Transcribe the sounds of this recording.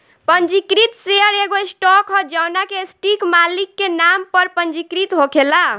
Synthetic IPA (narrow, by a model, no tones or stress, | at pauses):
pənd͡ʒikɾit̪seəɾeɡoisʈɔkʰɔd͡ʒəwnakesʈikmalikːenampəɾpənd͡ʒikɾit̪ɦokʰela